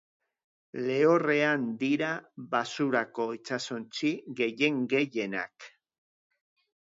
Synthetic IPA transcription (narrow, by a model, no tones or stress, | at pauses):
le̞o̞re̞and̪iɾaβasuɾako̞it͡sasont͡siɣe̞je̞ŋɡe̞ʝe̞na̰k